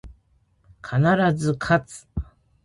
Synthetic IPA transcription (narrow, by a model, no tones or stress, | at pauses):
kʰanaɾazɨkʰat͡sɨ̥